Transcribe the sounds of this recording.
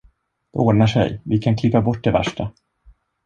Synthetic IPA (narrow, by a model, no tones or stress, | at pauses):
d̪oːnaʂɛ̰jvɪkʰankʰlɪpːabɔʈːd̪ɛvæ̰ʂʈa